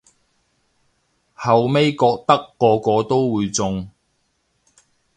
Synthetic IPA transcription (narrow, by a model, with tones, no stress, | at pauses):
hɐ˨wme˥jkɔː˧k̚t̪ɐ˥kːɔː˧kɔː˧t̪o˥wwuː˨˧jt͡sʊ˧ŋ